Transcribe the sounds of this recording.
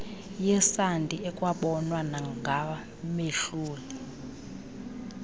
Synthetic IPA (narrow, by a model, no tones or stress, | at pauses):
jɛsandʱʼiʔɛkʼwaɓɔnwanaŋɡʱa | meɬuːli